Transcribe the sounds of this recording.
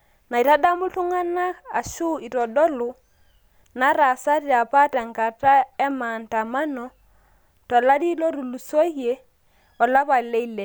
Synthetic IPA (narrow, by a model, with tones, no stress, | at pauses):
na˨i˨ta˦da˦mʊ˦tʊ˦ŋa˦na˦a˨ʃu˦i˨tɔ˨dɔ˦lʊ˨ | na˨˦ɾa˨sa˦ɾja˨pa˦tɛ˨ŋɡa˨ta˦ɛ˦ma˨nta˨ma˦nɔ˨ | tɔ˨la˦di˦lɔ˦ɾu˨lu˨so˦hje˨ | ɔ˨la˦pa˨lɛ˦i˦le˨